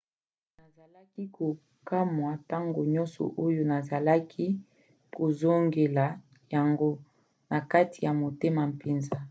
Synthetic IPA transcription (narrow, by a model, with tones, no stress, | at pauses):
na˨za˨la˦ki˦ko˨ | ka˦mwa˨ta˦ŋɡo˨ɲɔ˦nsɔ̰˨ʔo˦jo˦na˨za˨la˦kʰi˦ | ko˨zo˦ŋɡe˨la˨ | ja˨ŋɡo˦ | na˨ka˦ti˨ja˨mo˨te˦ma˨m̩˨pe˨nza˦